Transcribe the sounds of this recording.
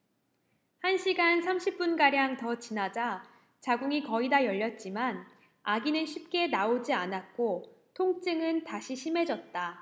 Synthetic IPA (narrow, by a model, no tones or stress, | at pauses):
hanɕʰiɡansʰamɕʰip̚p͈unɡaɾjaŋtʌt͡ɕinad͡ʑa | t͡ɕaɡuŋikʌidajʌʎːʌt̚t͡ɕ͈iman | aɡinɯnɕʰip̚k͈e̞naod͡ʑianat̚k͈o | tʰoŋt͡ɕ͈ɯŋɯntaɕʰiɕʰime̞d͡ʑʌt̚t͈a